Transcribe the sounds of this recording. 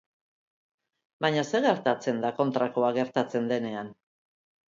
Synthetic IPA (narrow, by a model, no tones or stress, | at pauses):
baɲase̞ɣe̞ɾt̪at͡se̞nd̪ako̞nt̪ɾako̞aɣe̞ɾt̪at͡se̞nd̪e̞ne̞an